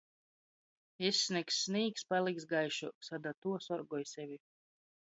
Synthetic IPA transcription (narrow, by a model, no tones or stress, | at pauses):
esʲnʲiksːniːkspalˠiksɡajʃusad̪at̪uɔsɔɾɡɔjsʲɛvʲi